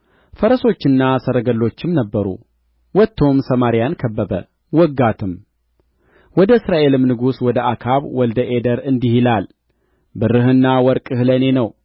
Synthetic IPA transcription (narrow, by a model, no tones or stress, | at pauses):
fəɾəso̞t͡ʃːɨnːasəɾəɡəlːo̞t͡ʃːɪmnəbːəɾṵ | wɔt̪ʰːo̞msəmaɾijankʰəbːəbə̰ | wɔɡːat̪ʰɨm | wɔd̪əɨsɾaʔe̞lɨmnɨɡuswɔd̪əʔakʰaβwɔld̪əʔed̪əɾɨnd̪ihilal | bɨrːɨɦɨnːawɔɾkʼɨhləne̞nəw